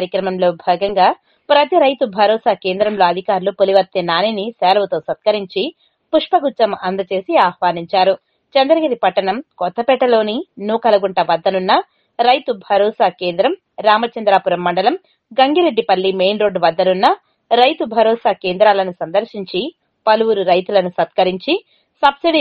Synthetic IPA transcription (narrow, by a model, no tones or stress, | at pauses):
ɾjɐkɾɐmɐmlo̞ːbʱɛːɡɐŋɡaː | pɾɐt̪iɾɐjt̪ubʱɐɾɔːsaːke̞ːnd̪ɾɐmlo̞ːɐd̪ʱikaːɾlupoliʋɐt̪ːinaːninisɛːlɐʋɐt̪o̞ːsɐt̪kɐɾiɲt͡ʃi | puʂpɐɡut͡ʃːɐmɐnd̪ɐt͡ʃe̞ːsiaːhʋaːniɲt͡ʃaːɾu | t͡ʃɐnd̪ɐɾɐɡiɾipɐʈːɐɳɐmkɔt̪ːɐpɛʈːɐlo̞ːninuːkɐlɐɡuɳʈɐʋɐd̪ːɐnunːɐ | ɾɐjt̪ubʱɐɾɔːsaːke̞ːnd̪ɾɐm | ɾaːmɐt͡ʃɐnd̪ɾaːpuɾɐmːɐɳɖɐlɐm | ɡɐŋɡiɾe̞ɖːipɐlːimeːnɾo̞ːɖʋɐd̪ːɐnunːɐ | ɾɐjt̪ubʱɐɾɔːsaːkeːnd̪ɾaːlɐnusɐnd̪ɐɾʃiɲt͡ʃi | pɐluʋuɾuɾɐjt̪ulɐnusɐt̪kɐɾiɲt͡ʃi | sɐbsiɽi